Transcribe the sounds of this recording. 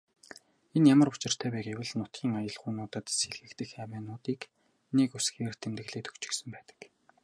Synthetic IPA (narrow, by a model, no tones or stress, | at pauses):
enjamə̆rʊt͡ɕɪ̆r̥t̪ʰæːpæːɡewʲɘ̆ɮnʊt̪̚ɡʲiːŋajə̆ɮχʊnʊːt̪ə̆t̪seɮɣɘ̆kt̪ɘ̆xæːwæːnʊːt̪iːk | nekusɡeːr̥t̪ʰemt̪ɘ̆ɮeːt̪ɵ̥kt͡ɕɪ̆ksɘ̆mpæːt̪ə̥̆k